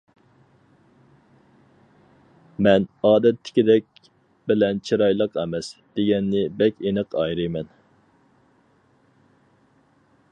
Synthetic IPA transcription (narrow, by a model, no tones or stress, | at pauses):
mɛnɑːd̪ɛt̪ʰːɪ̥kʲid̪ɛk̚ʲ | bɪlɛnt͡ʃʰiɾɑjlˠəqɛmɛsd̪̥eɡʲɛnːɪbɛkʲenəqʰɑjɾɨjmɛn